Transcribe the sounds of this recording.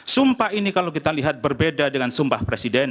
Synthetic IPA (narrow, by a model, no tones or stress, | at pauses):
sumpaɦinikalawk̬it̪aliɦat̪̚bərbedadəŋansumbahpɾesidɛn